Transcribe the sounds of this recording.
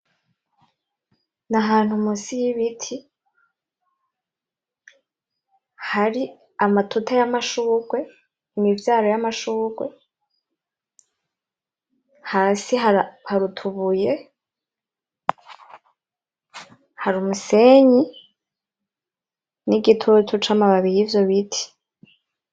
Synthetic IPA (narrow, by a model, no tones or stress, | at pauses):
naɦaːn̥humusijiβitʰi | haɾi | amatʰutajamaʃuːɡwe̞ | imivjaːɾo̞jamaʃuːɡwe̞ | hasiɦaɾhaɾutʰuβuje | haɾumuseɲi | niɡitʰutʰut͡ʃamaβaβijivjo̞βitʰi̥